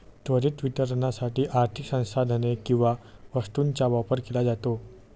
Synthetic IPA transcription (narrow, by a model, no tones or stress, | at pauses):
t̪ʋəɾiːt̪ʋit̪əɾɳasaʈiːʔaɾt̪ʰiksə̃w̃sad̪ʱənekĩw̃ʋaʋəst̪uːnt͡ɕaʋapəɾkelad͡zat̪o